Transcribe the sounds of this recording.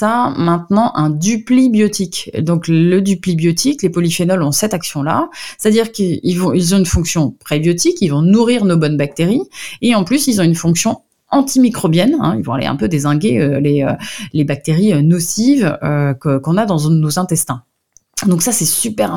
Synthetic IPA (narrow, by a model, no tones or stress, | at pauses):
t̪amɛ̃t̪nɑ̃ʔɛ̃d̪yplibjɔt̪ikd̪ɔ̃kləd̪yplibjɔt̪ʰiklepɔlifenɔlɔ̃sɛt̪aksjɔ̃la̰se̥t̪ad̪iʁkəilvɔ̃ilzɔ̃ynfɔ̃ksjɔ̃pχɛbjɔt̪ikilvɔ̃nuʁiʁnobɔnbak̚t̪eʁieɑ̃plysilzɔ̃ynfɔ̃ksjɔ̃ | ɑ̃t̪imikχɔbjɛnɛ̰̃ilvɔ̃a̰lḛɛ̰̃pød̪ezɛ̃ɡʲeøleølebak̚t̪eʁiønɔsivøkkɔ̃nad̪ɑ̃nozɛ̃t̪ɛst̪ɛ̃ | d̪ɔ̃ksasɛsypɛʁɛ̃